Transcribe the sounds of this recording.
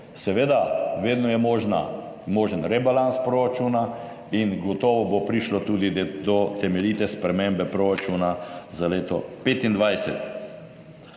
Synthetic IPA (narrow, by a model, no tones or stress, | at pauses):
sɛʋeːd̪aʋeːd̪nɔjɛmɔʒna̰ | moːʒənɾɛbalanspɾoɾat͡ʃuːna | inɡɔt̪ɔːʋɔbopɾiʃlɔt̪uːd̪id̪ɔt̪ɛmɛliːt̪ɛspɾɛmẽmbɛpɾoɾat͡ʃuːnazaleːt̪ɔ̰peːt̪ind̪ʋajsɛ̰t̪